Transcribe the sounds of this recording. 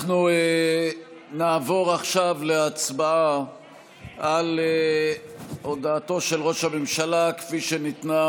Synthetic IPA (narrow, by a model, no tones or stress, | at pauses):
nue | naːvo̞ʁaχʃavle̞at͡sbaa | ale | o̞daːto̞ʃelʁo̞ʃhamemʃalakfiʃenitna